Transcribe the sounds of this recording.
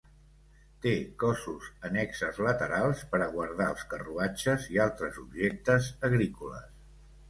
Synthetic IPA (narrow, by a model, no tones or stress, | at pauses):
t̪ekɔsuzənɛksəzlət̪əɾalˠspəɾəɣwəɾð̞aəlˠskəruat͡ʃəzialˠt̪ɾəzubʒek̚t̪əzəɣɾikulə̰s